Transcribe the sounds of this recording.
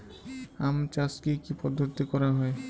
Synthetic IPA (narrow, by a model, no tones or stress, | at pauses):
amt͡ɕaskikipɔd̪ʱːot̪ikɔɾaɦɔe